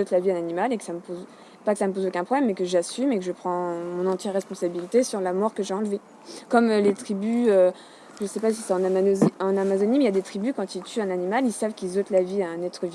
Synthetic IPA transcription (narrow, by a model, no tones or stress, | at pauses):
ɔt̪laviɛ̃nanimalekə̥saməpoz | pakəsaməp̬ozokʲɛ̃pχɔblɛmːɛkəʒasymekəʒəpχɑ̃mɔ̃nɑ̃t̪jɛʁɛspɔ̃sabilit̪esyʁlamɔʁkəʒeɑ̃lve | kɔmølet̪χibyø | ʒəsɛpasi̥sɛt̪ɑ̃ɑ̃namazɔnimɛiljad̪et̪χibykɑ̃t̪ilt̪ʰyɛ̃nanimalilsavkʲilzɔt̪laviaɛ̃nɛt̪χəvi